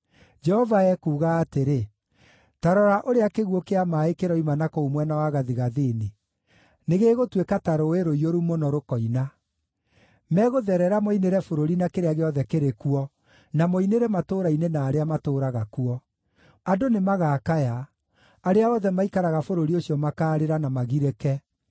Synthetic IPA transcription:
d͡ʒɛhɔvaɛkuːɣaːteɾe | taɾɔɾaʔoɾeakeɣwɔkeamaːekeɾɔimanakɔomwɛnawaɣaðiɣaðeːne | neɣeːɣotwekataɾoeɾoioɾumonɔɾokɔina | mɛːɣoðɛɾɛɾamoineɾɛfoɾoɾinakeɾeaɣeɔðɛkeɾekuɔ | namoineɾɛmatoːɾainenaːɾeamatoːɾaɣakuɔ | adonemaɣaːkaja | aɾeaɔðɛmaikaɾaɣafoɾoɾiosjɔmakaːɾeɾanamaɣiɾɛkɛ

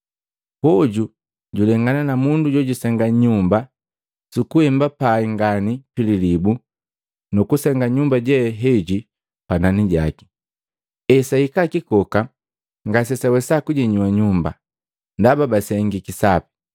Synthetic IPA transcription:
pɔɟu | ɟulɛŋɡananamunduɟɔɟusɛŋɡaɲumba | sukuhɛmbapaiŋɡanipililibu | nukusɛŋɡaɲumbaɟɛɦɛɟi | pananiɟaki̥ | ɛsaikakikɔka | ŋɡas̬ɛsawɛsakuɟɛɲuwaɲumba̰ | ndababasɛŋɡikisapi̥

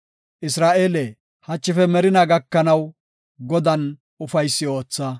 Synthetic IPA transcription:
ʔɪsɾaːʔeːlɛ | hɐt͡ʃːɪfɛmɛɾɪnɐɡɐkːɐnɐw | ɡɔd̪ɐn | ʊfɐjsːɪo̞ːt͡sːɐ

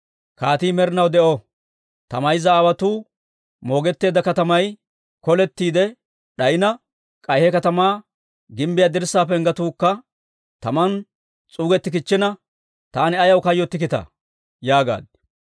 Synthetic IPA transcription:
kaːt̪iːmɛɾɪnɐwd̪ɛʔɔ | t̪ɐmɐjzɐːwɐt̪uː | mo̞ːɡɛt̪ːe̞ːd̪ɐkɐt̪ɐmɐj | kɔlɛt̪ːiːd̪ɛ | ɗɐjɪnɐ | kʼɐjhɛkɐt̪ɐmaː | ɡɪmbɪjaːd̪ɪɾsaːpɛŋɡɐt̪uːkːɐ | t̪ɐmɐn | t͡sʼuːɡɛt̪ːɪkɪt͡ʃːɪnɐ | t̪aːnɪɐjɐwkɐjːɔt̪ːɪkɪt̪ɐ̰ | jaːɡa̰ːd̪̚

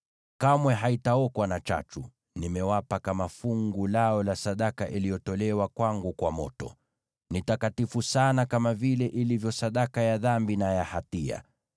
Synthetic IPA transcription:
kamwɛɦaitaɔkwanat͡ʃa̰t͡ʃu | nimɛwapakamafuŋɡulaɔlasaɗakaʔilijɔtɔlɛwakwaŋɡukwamɔtɔ | nitakatifusanakamavilɛʔilivjɔsaɗakajaðambinajahatia̰

